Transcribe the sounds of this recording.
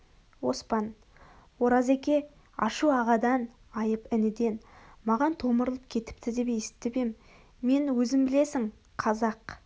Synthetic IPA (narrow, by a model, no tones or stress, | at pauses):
wo̞spɑn | wo̞ɾɑze̞kʲe̞ | ɑ̰ʃuɑʁɑd̪ɑn | ɑjəpɪnɪd̪e̞nmɑʁɑnt̪ʰo̞məɾlˠəp̚kʲʰe̞t̪ɪ̥p̚t̪ʰɪd̪ebejesɪ̥t̚t̪ːɪbemː | e̞nwɵzɪmbɪle̞sɪŋ | qʰɑzɑq